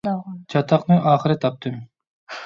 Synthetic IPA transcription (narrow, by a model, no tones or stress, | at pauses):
t͡ʃʰɑt̪ʰɑqnɨʔɑːχɨɾɨt̪ʰɑp̚t̪ʰɨm